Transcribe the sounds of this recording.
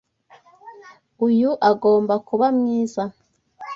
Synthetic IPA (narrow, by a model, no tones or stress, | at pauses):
ujuʔaɡoːmbakuβamŋiːza